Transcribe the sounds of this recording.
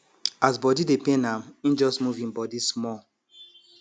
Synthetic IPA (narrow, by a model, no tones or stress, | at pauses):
asbɔdidepẽnãmĩd͡ʒɔsmuvĩnbɔdismɔ